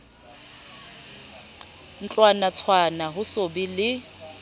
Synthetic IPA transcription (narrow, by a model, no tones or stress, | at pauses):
n̩t͡ɬʼwanat͡sʰwanaɦʊsobilɪ